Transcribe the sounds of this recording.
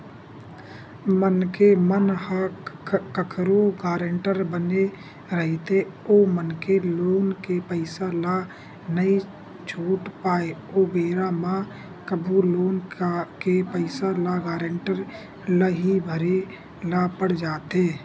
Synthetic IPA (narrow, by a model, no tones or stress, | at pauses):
mənkemənhakkəkʰɾoɡaːɾeɳʈəɾbəne | ɾəɦet̪e | oːmənkeloːnkepəɪsala | nəi | t͡ʃʰuːʈpaːeoːbeːɾamã | kəbʱuloːnkepəɪsalaɡaːɾeɳʈəɾ | ləɦibʱəɾe | lapəɽd͡ʒaːt̪eː